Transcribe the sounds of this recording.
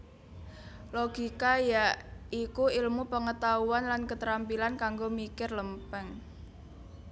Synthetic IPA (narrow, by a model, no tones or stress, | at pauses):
loɡ̥ikajaʔikuilmupəŋət̪auanlankət̪əɾampilankaŋɡomikɪrləmpɛŋ